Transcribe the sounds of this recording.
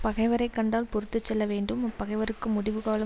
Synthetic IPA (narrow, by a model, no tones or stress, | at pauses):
pɐɣɐɪʋɐɾɐɪkːɐɳɖaːlpʊɾɯt̪ːɯt͡ʃːɛlːɐʋeːɳɖɯmɐpːɐɣɐɪʋɐɾɯkːɯmʊɽɪʋɯɣaːlɐ